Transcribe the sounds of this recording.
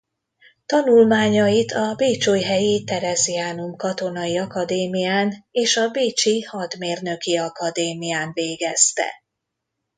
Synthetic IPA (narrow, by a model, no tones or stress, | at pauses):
t̪ɒnulmaːɲɒjit̪ʰɒbeːt͡ʃoːjɦɛjit̪ɛɾɛziaːnumkɒt̪o̞nɒjiɒkɒd̪eːmijaːneːʃɒbeːt͡ʃihɒd̪meːrnø̞kiɒkɒd̪eːmijaːnveːɡɛst̪ɛ̰